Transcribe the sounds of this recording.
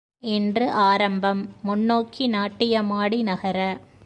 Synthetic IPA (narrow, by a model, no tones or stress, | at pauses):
ɛndrɯʔaːɾɐmbɐmːʊnːoːkːinaːʈːɪjɐmaːɽinɐɣɐɾɐ